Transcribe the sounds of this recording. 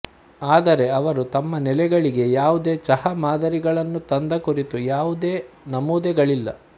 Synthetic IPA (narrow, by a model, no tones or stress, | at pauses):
aːd̪ɐɾe̞ɐʋɐɾut̪ɐmːɐnɛlɛɡɐɭiɡe̞jaːʋud̪e̞ːt͡ʃɐhɐmaːd̪ɐɾiɡɐɭɐnːut̪ɐnd̪ɐkuɾit̪ujaːʋud̪eː | nɐmuːd̪ɛɡɐɭilːɐ